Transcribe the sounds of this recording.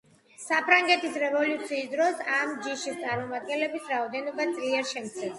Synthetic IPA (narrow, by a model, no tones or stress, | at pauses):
sapʰɾaŋɡɛt̪ʰisɾɛvɔlut̪sʰiːsd̪ɾɔsamd͡ʒiʃist̪sʼaɾmɔmad̪̚ɡɛnlɛbisɾaɔd̪ɛnɔbat̪sʼliɛɾʃɛmkt̪sʰɛs